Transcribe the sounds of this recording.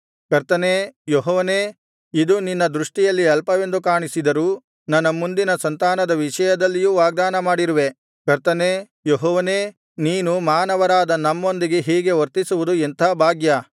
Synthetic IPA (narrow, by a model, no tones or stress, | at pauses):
kɐɾt̪ɐneːjoɦɔːʋɐneː | id̪uninːɐd̪ɾuʂʈijɐlːiɛlpɐʋe̞nd̪ukaːɳisid̪ɐɾuː | nɐnːɐmund̪inɐsɐnt̪aːnɐd̪ɐʋiʂɐjɐd̪ɐlːijuʋaːɡ̚d̪aːnɐmaːɽiɾuʋe̞ | kɐɾt̪ɐneː | joɦɔːʋɐneː | niːnumaːnɐʋɐɾaːd̪ɐnɐmːo̞nd̪iɡe̞ɦiːɡe̞ʋɐɾt̪isuʋud̪uɛnt̪ʰaːbʱaːɡjɐ